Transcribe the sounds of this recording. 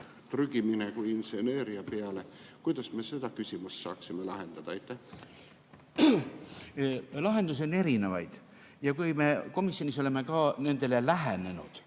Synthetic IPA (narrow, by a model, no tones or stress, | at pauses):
t̪ryɡ̥iminekujinseneːɾiɑpeɑle̞kujd̪̥ɑsme̞se̞d̪ɑkysʲimust̪sɑ̰ːksimelɑɦe̞nd̪̥ɑd̪̥ɑɑjt̪ːˑæh | lɑɦe̞nd̪us̬one̞ɾine̞vɑ̰jd̪̥ | jɑkujme̞ko̞misjoniso̞le̞me̞kɑːne̞nd̪̥e̞lelæɦene̞nṵd̪̥